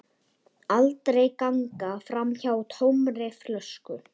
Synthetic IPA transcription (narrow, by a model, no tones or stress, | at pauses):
alt̪ɾejkaŋkafɾamçawt̪ʰowmrɪflœskʏ